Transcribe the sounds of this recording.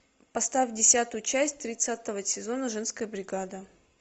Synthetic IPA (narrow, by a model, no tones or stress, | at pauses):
pɐst̪afʲdʲɪsʲat̪ʊjʊt͡ɕæsʲtʲt̪ɾʲɪt̪sat̪əvəsʲɪzo̞nəʐɛnskəjəbɾʲɪɡad̪ə